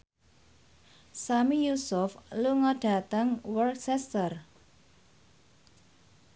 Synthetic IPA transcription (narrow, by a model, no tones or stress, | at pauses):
samijusʊfluŋɔɖ̥a̤t̪əŋwərksɛst̪ər